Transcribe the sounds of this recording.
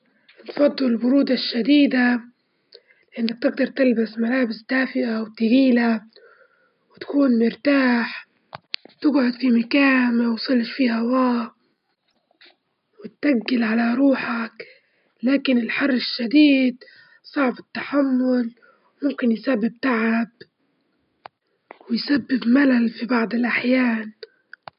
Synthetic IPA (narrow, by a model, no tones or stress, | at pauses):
nfɑd̪ˤːɑlɪlbʊɾuːd̪aʃːad̪iːd̪a | lɪʔɪnːak̚t̪ɪɡ̚d̪ɑɾˤt̪ɪlbasmalaːbɪsd̪̥aːfɪʔawt̪ɪɡiːla | wɪt̪ḁkuːnmʊɾt̪aːħ | t̪ɪɡʕʊd̪fimakaːnawsˤɨlʃfiːhawaː | wɪt̪ʔaɡːɪlʕalaɾˤuːħak | laːkɪnɪlħɑrˤːɪʃːad̪iːd̪ | sˤɑʕbɪt̪ːaħamːʊl | mʊmkɪnjsabːɪb̚t̪aʕab̚ | wɪjsabːɪbmalalfibɑʕd̪ˤɪlʔaħjaːn